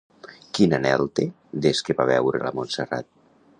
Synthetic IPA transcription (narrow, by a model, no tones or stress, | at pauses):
kinanɛlˠt̪e | d̪eskeβaβɛwɾḛla̰monsera̰t̪̚